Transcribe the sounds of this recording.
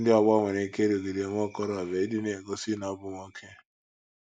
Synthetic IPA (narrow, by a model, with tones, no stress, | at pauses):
dɪ˦ɔ˨ɡ͡bɔ˦˨ŋʷe˨ne˨ke˦ɾo˨ɡe˨ɾe˨ŋʷ˦ɔ˦kɔ˦ɾɔ˨a˨be˨i˦dɪ˦ne˨ɡo˦si˦na˨˦bʊ˦ŋʷo˦kʰe˦